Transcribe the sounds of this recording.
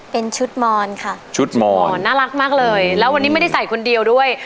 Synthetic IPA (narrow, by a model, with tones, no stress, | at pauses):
pe˧nt͡ɕʰu˦˥t̪̚mɔː˧nkʰa˥˩t͡ɕʰu˦˥t̪̚mɔː˧nːaː˥˩la˦˥k̚maː˥˩k̚lɤː˧jlɛː˦˥wa˧nːi˦˥m˥˩jda˥˩jsa˨˩˦jkʰu˧ndi˧əwdu˥˩əj